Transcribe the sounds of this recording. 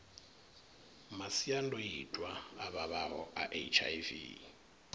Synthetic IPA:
masiandɔjitʼwaaβaβaɦɔʔa̰ʔet͡ʃʰa̰jvḭ

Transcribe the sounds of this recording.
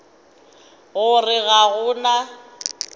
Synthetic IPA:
ɣʊrɪɣaɣʊna

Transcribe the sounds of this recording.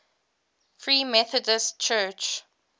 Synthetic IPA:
fɹiːmɛθədəstt͡ʃʰɜt͡ʃ

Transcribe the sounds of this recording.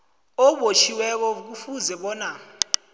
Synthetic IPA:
ɔɓot͡ʃʰiwɛk̬ɔk̬ufuzɛɓɔːna

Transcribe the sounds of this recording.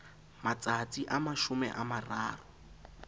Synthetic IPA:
mat͡sat͡siʔamaʃʊmɛ̰ʔamaraːrʊ

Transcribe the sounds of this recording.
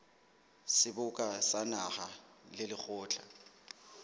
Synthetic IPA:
sɪbʊkʼasanaχalɪlɪk͡xʰʊːt͡ɬʰʼa

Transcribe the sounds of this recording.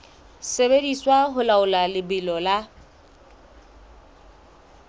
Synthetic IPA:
sebediswaɦʊlaʊlalɪbɪlɔla

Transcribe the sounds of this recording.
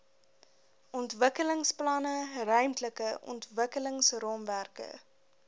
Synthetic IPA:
ʔɔntvəkələŋsplɑnərœɥmtləkəʔɔ̰ntvəkələŋsrɔmværkə̰

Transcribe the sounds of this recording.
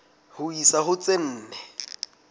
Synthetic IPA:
hʊisaɦʊt͡sʼen̩ːnɛ

